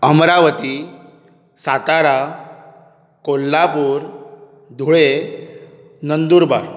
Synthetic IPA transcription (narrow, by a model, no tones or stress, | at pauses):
əmɾaʋət̪i | sat̪aɾa | kolːapuːɾ | d̪ʱuɭe | nənd̪uːɾba̰ɾ